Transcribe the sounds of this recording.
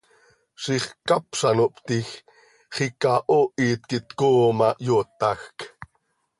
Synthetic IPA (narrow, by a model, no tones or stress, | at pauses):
ʃiχkapʃanoʔpt̪ix | χikaʔoʔiːt̪̚kit̪koːmajot̪axk